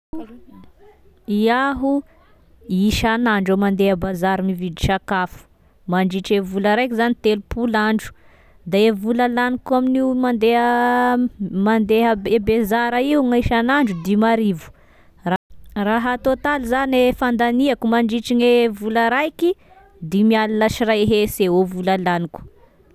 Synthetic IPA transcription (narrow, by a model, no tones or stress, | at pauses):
iaɦu | iʃanaɳɖ͡ʐemand̪eɦəbazaɾimivid̪i̥ʃakafu̥ | maɳɖ͡ʐiʈ͡ʂevuləɾajkizanit̪elupulaɳɖ͡ʐu̥ | d̪aevuləlanikuaminiumand̪eɦə | mand̪eɦəebezaɾaiuŋajʃanaɳɖ͡ʐud̪imaɾivu̥ | araɦat̪ot̪aluzanefand̪aniakumaɳɖ͡ʐiʈ͡ʂiŋevulaɾajki | d̪imialinaʃiraeɦeseovulalaniku̥